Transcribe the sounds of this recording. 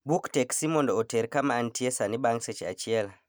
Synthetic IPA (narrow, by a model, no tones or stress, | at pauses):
buktɛksimɔndɔɔtɛɾkamaːntiesaniɓaŋset͡ʃia̰t͡ʃiela